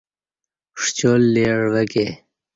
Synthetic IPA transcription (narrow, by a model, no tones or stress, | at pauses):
ʂt͡ɕolːeːɽʋɐke